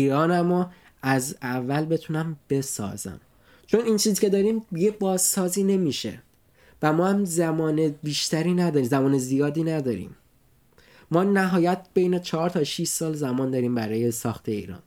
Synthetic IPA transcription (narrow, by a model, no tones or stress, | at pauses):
iːɾɒːnæmo | æzævːælbe̞t̪ʰunæmb̥e̞sɒ̰ːzæ̰m | t͡ʃʰo̞niːnt͡ʃʰiːzcʰe̞d̪ɒːɾiːmjebɒːzsɒːziːne̞miːʃḛ | væmɒːhæmzæmɒːnebiːʃt̪ʰæɾiːnæd̪ɒːɾimzæmɒːnezijɒːd̪iːnæd̪ɒːɾḭːm | ɒːnæɦɒːjæt̪̚ʰb̥e̞jne̞t͡ʃʰɒːɾt̪ʰɒʃiʃsɒːlzæmɒːnd̪ɒːɾiːmbæɾɒːje̞sɒːxt̪ʰeḭːɾɒ̰ːn